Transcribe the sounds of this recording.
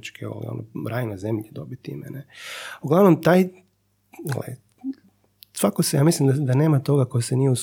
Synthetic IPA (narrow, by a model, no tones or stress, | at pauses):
t͡ʃkʰeo̰lḭo̰noɾaːjnazemʎed̪obit̪ḭmḛneuɡlaʋnomt̪aːj̰ | lḛ | sʋakosejaːmislimd̪ad̪ane̞ːmat̪o̞ɡakojsenijeus